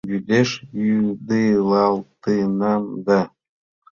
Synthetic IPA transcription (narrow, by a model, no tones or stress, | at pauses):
jyd̪eʃjyd̪ɯlˠɑlˠt̪ɯnɑnd̪ɑ